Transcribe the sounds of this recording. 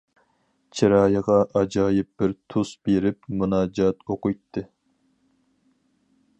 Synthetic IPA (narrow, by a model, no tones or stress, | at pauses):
t͡ʃʰiɾɑːjəʁɑʔɑd͡ʒɑːjɪp̚bɪɾt̪ʰusb̥eɾɪp̚munɑːd͡ʒɑt̪oqʊjt̪ʰːɨ